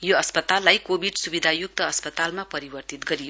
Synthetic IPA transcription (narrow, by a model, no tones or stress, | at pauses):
joʌspʌt̪alːajkobʱiɖsubid̪ʱajuk̚t̪ʌːspʌt̪almapʌɾibʌrt̪it̪ɡʌɾijo